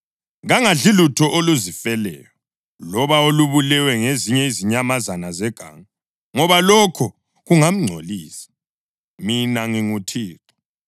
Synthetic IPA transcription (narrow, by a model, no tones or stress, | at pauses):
ɣaŋaɮilutʰɔʔoluzifɛlɛ̰ːjɔ | lɔβaoluβulɛwɛŋeziɲɛiziɲamazanazɛɡ̥ʱa̰ːŋa | ŋɔβalɔkʰɔ | ɣuŋam̩ŋ͡ǀʱo̰liːsi̥ | minaŋiŋutʰiːǀɔ̥